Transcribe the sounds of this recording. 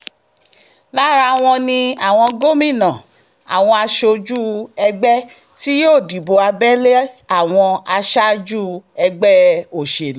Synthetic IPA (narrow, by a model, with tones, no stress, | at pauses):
la˦ɾa˧w̃ɔ̃˧nĩ˧a˨w̃ɔ̃˧ɡo˦mĩ˦˨nã˨ | a̰˨w̃ɔ̃˧a˧ʃo˧d͡ʒu˦˨ɛ˧ɡ͡bɛ˦ | ti˦joː˦˨di˨bo˧a˧bɛ˦le˦a˦˨w̃ɔ̃˧a˧ʃa˦d͡ʒu˦ɛ˧ɡ͡bɛ˦o˨ʃe˨ñ˨˦